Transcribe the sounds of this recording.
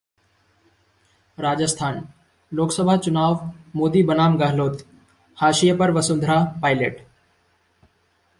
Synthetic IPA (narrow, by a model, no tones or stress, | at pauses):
ɾaːd͡ʒəst̪ʰaːn | loːksəbʱat͡ɕʊnaːʋmoːd̪iːbənaːmɡaɦloːt̪ | haːʃijəpɐɾʋɐsʊ̃nd̪ʱɾaːpaːɪleːʈ